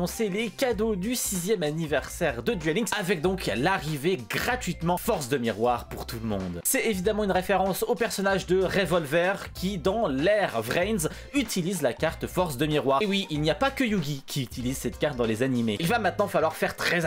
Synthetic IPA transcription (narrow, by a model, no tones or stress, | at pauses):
ɔ̃selekad̪od̪ysizjɛmanivɛʁsɛʁd̪əd̪ɥɛlĩŋɡsavɛk̚d̪ɔ̃klaʁiveɡʁat̪ɥit̪mɑ̃fɔʁsd̪əmiʁwaʁpuʁt̪ulmɔ̰̃d̪sɛt̪evid̪amɑ̃ynʁefeʁɑ̃sopɛʁsɔnaʒd̪əʁevɔlvɛʁkʲʰid̪ɑ̃lɛʁvʁɛnz | yt̪ʰilizlakʲaʁt̪fɔʁsd̪əmiʁwaʁewiilnijapakəjuɡʲikʲʰiyt̪ilizsɛt̪̚kaʁt̪̚d̪ɑ̃lezanimeilvamɛ̃t̪̚nɑ̃falwaʁfɛʁt̪χɛ